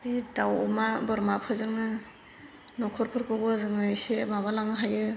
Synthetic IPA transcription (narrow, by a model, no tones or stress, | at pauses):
didawɔmabɯɾmapʰɯzɯŋnɯ | nɔkʰɔɾpʰɯɾpʰɯɡɯzɯŋɯjsebaβalaŋɯɦajɯ